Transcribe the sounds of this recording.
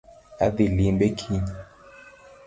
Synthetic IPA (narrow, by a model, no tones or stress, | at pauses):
aðilimbɛkʰiɲ